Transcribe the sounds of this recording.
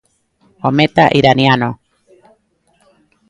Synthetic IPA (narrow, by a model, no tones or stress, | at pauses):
omet̪aʔiɾaniano